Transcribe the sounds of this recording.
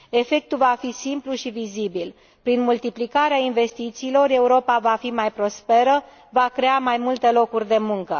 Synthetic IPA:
e̞fe̞k̚t̪uvafisimpluʃivizibil | pɾinmult̪iplikaɾeainve̞st̪it̪siːlo̞ɾe̞uɾo̞pavafimajpɾo̞spe̞ɾə | vakɾe̞amajmult̪e̞lo̞kurʲd̪e̞muŋkə

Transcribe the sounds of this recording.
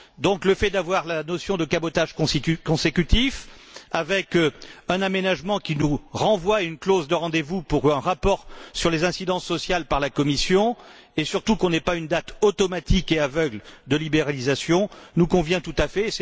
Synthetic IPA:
d̪ɔ̃kləfɛd̪avwaʁlanɔsjɔ̃d̪əkabɔt̪aʒkkɔ̃sekʲyt̪ifavɛkɛ̃namenaʒmɑ̃kʲinuʁɑ̃vwaynklozd̪əʁɑ̃d̪evupuʁɛ̃ʁapɔʁsyʁlezɛ̃sid̪ɑ̃sːɔsjalpaʁlakɔmisjɔ̃ | esyʁt̪ukɔ̃nɛpaynd̪at̪ot̪ɔmat̪ʰikeavœɡld̪əlibeʁalizasjɔ̃nukɔ̃vjɛ̃t̪ut̪afɛs

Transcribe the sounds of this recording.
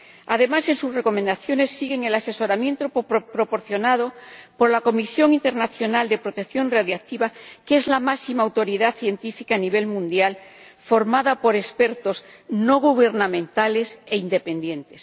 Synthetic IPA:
að̞e̞mase̞nsusre̞ko̞mẽnd̪aθjo̞ne̞sːiɣe̞ŋe̞lase̞so̞ɾamjẽ̞nt̪oppɾo̞po̞ɾθjo̞nað̞opo̞ɾlako̞misjo̞ŋint̪e̞ɾnaθjo̞nald̪e̞pɾot̪e̞kθjo̞nraðjoak̚t̪iβakeezlamasimaːwt̪o̞ɾiðaθje̞nt̪ifikaːniβ̞e̞lmũnd̪jalfo̞ɾmaðapo̞ɾe̞spe̞ɾt̪o̞s | no̞ɣ̞uβe̞ɾnamẽnt̪ale̞se̞ind̪e̞pe̞nd̪jẽ̞nt̪e̞s

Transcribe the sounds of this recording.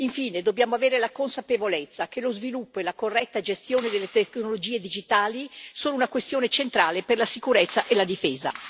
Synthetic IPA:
iɱfiːned̪objaːmoaveːɾelakonsapevolet̪sːak̟elozvilupːoelakorːɛt̪ːad͡ʒest̪joːned̪elːet̪eknolod͡ʒiːed̪id͡ʒit̪aːlisoːnounakwest̪joːnet͡ʃent̪ɾaːleperlasikuɾet̪sːaʔelad̪ifeːza̰

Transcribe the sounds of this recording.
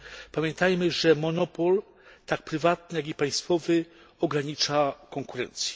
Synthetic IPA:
pamʲjɛnt̪ajmɘʐɛmɔnɔpɔl | t̪ak̚pɾɘvat̪nɘjaɡipaj̃st̪fɔvɘ | ɔɡɾaɲit͡ʂakɔŋkuɾɛ̰nt̪sʲjɛ̥

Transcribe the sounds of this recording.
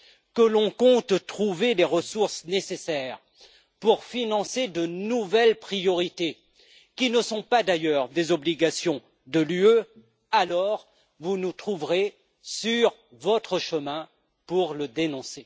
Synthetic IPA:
kəlɔ̃kɔ̃t̪t̪χuveleʁəsuʁsnesesɛʁ | puʁfinɑ̃sed̪ənuvɛlpχijɔʁit̪e | kʲinəsɔ̃pad̪ajœʁd̪ezɔbliɡasjɔ̃ | d̪əlyø | alɔʁ | vunut̪χuvʁe | syʁ | vɔt̪χəʃəmɛ̃ | puʁləd̪enɔ̃se

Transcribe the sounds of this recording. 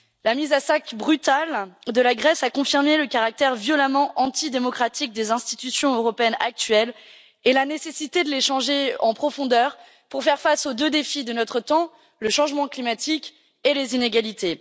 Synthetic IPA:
lamizasakbʁyt̪ald̪əlaɡʁɛsakɔ̃fiʁmeləkaʁak̚t̪ɛʁvjɔlamɑ̃ʔɑ̃t̪id̪emɔkχat̪ik̚d̪ezɛ̃st̪i̥t̪ysjɔ̃øʁɔpeɛna̰k̚t̪ɥɛl | elanesesit̪ed̪əleʃɑ̃ʒeɑ̃pχɔfɔ̃d̪œʁ | puʁfɛʁfasod̪ød̪efid̪ənɔt̪χət̪ɑ̃ | ləʃɑ̃ʒmɑ̃klimat̪ik | elezineɡalit̪e

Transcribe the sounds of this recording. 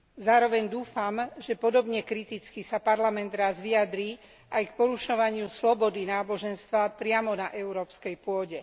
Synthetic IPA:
zaːɾɔʋɛɲd̪uːfamʒɛpɔd̪ɔbɲɛkɾit̪it͡skisapaɾlamɛnd̪ɾazʋiad̪ɾiː | ʔajkpɔɾuʃɔʋaɲɪuslɔbɔd̪inaːbɔʒɛnst̪ʋapɾɪamɔnaʔɛʊɾɔːpskɛjpʊɔɟɛ

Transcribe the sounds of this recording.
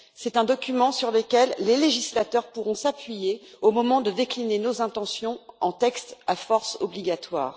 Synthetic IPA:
sɛt̪ɛ̃d̪ɔkʲymɑ̃syʁləkʲɛlːeleʒislat̪œʁpuʁɔ̃sapɥijeomɔmɑ̃d̪əd̪eklinenozɛ̃t̪ɑ̃sjɔ̃ɑ̃t̪ɛkst̪afɔʁsɔbliɡat̪wa̰ːʁ

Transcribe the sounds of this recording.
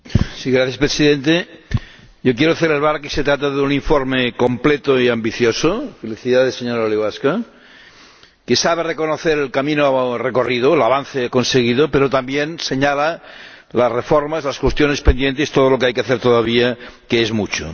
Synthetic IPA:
siɣɾaθjaspɾesiðent̪e | jok̬jeɾoθeleβ̞ɾaɾkeset̪ɾat̪̬aðeuniɱfoɾmeko̞mplet̪oiambiθjosofeliθiðaðeseɲoɾaoliɣaska | kesaβ̞erekonoθeɾelkamĩnoreko̞riðoelaβ̞anθekonseɣiðopeɾot̪ambjenseɲalalasrefoɾmazlaskwest̪jonespend̪jent̪est̪oð̞olokeajkeaθeɾt̪oðaβ̞iakeezmut͡ʃo̰

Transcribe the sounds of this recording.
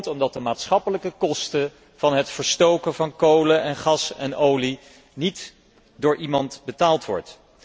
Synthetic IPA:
tɔmdɑt̚dəmaːtsχɑpələkəkɔstə | v̥ɑnɦətfəɹstowkəvɑnkowləɛnχɑsɛnowli | nit | dʊːɹʔimɑntbətaːlˠtʋɔ̰ɹt

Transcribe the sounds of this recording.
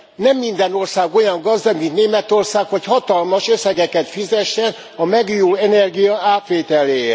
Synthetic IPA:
nɛmːind̪ɛno̞rsaːɡo̞jɒŋɡɒzd̪ɒɡmint̪neːmɛt̪o̞rsaːkho̞chɒt̪ɒlmɒʃø̞sɛɡɛkɛt̪fizɛʃːɛn | ɒmɛɡjuːlɛnɛrɡijɒaːt̪ʋeːt̪ɛleː

